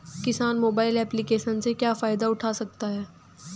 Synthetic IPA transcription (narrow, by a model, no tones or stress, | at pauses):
kɪsaːnmoːbaːɪlɛːplikeːʃənsekjaːfaːɪd̪aʊʈʰaːsɐk̚t̪aɦɛː